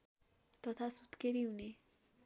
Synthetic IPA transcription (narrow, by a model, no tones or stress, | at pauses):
t̪ʌt̪ʰasut̪keɾiɦune